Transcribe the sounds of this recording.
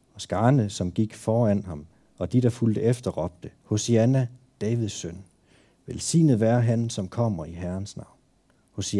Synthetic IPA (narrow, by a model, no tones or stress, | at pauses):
ɒ̽sɡ̥ɑ̈ːnəsɒ̽mɡ̥iɡ̥fɒːæn̰ɦɑ̈m | ɒ̽d̥id̥ɑ̈fuld̥əefd̥ɐʁɒ̽b̥̚d̥əho̝siænæ | d̥ɛːʋiðˠsøn | ʋelsḭːnəð̩ˠʋæɐɦænsɒ̽mkʰɒ̽m̰ɐiɦæɐnsnɑ̈ʊ̰n | ho̝si